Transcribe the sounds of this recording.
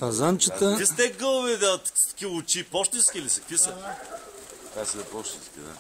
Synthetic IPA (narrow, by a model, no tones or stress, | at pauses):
pɐzant͡ʃət̪əist̪ɛɡəlˠvid̪ɐt̪kʲiʊt͡ʃipɔʃt̪inskʲilisɛkkvisɐ | kasəɐpɔʃt̪inskʲḭd̪a̰